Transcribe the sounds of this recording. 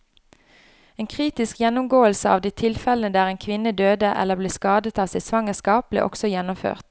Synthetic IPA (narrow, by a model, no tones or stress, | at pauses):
eːnkʰʁiːt̪ɪskjɛnʊmɡoːəlsəɑ̰ːʋd̪iːt̪ʰɪlfɛlənəd̪æːʁeːnkʰʋɪnəd̪øːd̪əʔɛ̰ləbleːskɑːd̪ət̪ɑːsæɪsʋɑŋəskɑːp̚lɪ̰ʔɔ̰ksɔjɛnʊmfø̰ːʁt̪